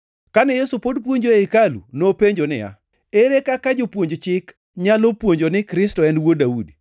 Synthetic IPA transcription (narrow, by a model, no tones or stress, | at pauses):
kanɛjesupodp̬woɲd͡ʒoeɪkalṵnopeɲd͡ʒonɪ̰ja̰ | eɾekakad͡ʒopwoɲd͡ʒot͡ʃɪk | ɲalopwoɲd͡ʒonɪkɾɪstɔɛnwodaudi